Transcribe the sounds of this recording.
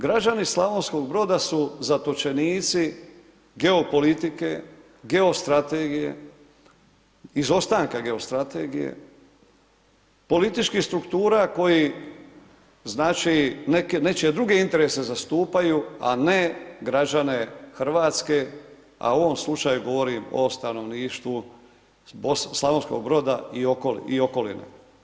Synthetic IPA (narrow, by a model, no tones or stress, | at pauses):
ɡɾad͡ʒanislˠaʋonsko̞ɡbɾo̞d̪asuzat̪ot͡ʃe̞niːt̪si | ɡe̞o̞po̞lit̪ike̞ | ɡe̞o̞st̪ɾat̪eɡije̞̰ | izo̞st̪aːŋkaɡe̞ost̪ɾat̪e̞ɡijḛ | po̞lit̪it͡ʃkihst̪ɾukt̪uːɾako̞ji | znaːt͡ʃinekene̞t͡ʃe̞d̪ɾuɡe̞int̪e̞ɾese̞zast̪uːpajua̰ne̞ɡɾad͡ʒane̞xɾ̩ʋaːt̪ske̞ | a̰oʋo̞mslˠut͡ʃajuɡo̞ʋo̞ɾimo̰st̪ano̞ʋniːʃt̪ʋu | bosslˠaʋonsko̞̰ɡ̚bɾo̞d̪aiokol̰io̞ko̞lḭnḛ